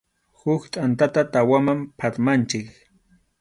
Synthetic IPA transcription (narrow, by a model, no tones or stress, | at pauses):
hʊkt̪ʼant̪at̪at̪awamampʰaɾmant͡ʃɪk